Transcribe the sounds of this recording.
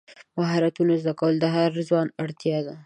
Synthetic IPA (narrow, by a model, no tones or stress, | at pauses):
maɦaɾat̪unozd̪akawəld̪əɦaɾzwɑnaɽt̪jɑd̪a